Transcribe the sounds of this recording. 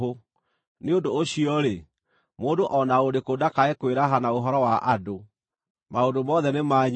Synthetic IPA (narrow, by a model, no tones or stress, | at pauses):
o | neondoːɕiɔɾe | moːndoʔɔnaodekodakaekweɾaɦanaoɦɔɾɔwaʔado | maondomɔðɛnemaɲ